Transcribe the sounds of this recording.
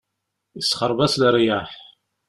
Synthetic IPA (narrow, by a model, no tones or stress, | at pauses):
isχəɾˤvæslrjaħ